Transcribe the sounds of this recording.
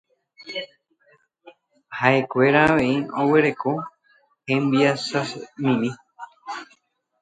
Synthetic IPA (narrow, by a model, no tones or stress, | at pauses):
hae̞kʷe̞ɾaːʋẽ̞io̞we̞ɾe̞ko̞ | hẽmbiasasmĩmĩ